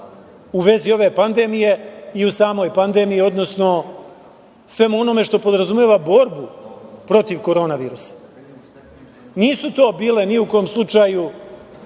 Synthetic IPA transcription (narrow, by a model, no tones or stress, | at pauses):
uʋe̞zio̞ʋe̞pand̪e̞mije̞iusaːmo̞jpand̪e̞mijio̞d̪no̞sno̞ | sʋe̞muono̞me̞ʂt̪o̞po̞d̪ɾazumjeːʋabo̞ɾbupɾo̞t̪iʋko̞ɾo̞ːnaʋiːɾusḁ | niːsut̪o̞ːbiːle̞niukojomslˠut͡ʂaju